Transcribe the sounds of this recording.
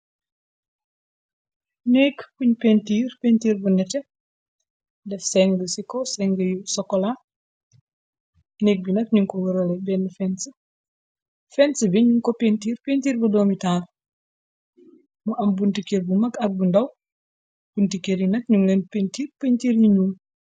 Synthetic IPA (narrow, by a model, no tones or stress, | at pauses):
nɛːkkuɲpentiːrpentiːrbunɛtɛ | dɛfsɛŋɡəsikɔsɛŋɡəjusɔkːɔla | nɛːk̚binɐk̚ɲuŋkɔwəɾɐlɛbɛnːəfɛnsə | fɛnsəbiɲuŋkɔpentiːrpentiːrbudɔmitaːr | muʔɐmbuntikerbumɐkɐk̚bundɐw | b̥untikeɾjinɐk̚ɲuŋlɛnpentiːrpentiːrjiɲuːm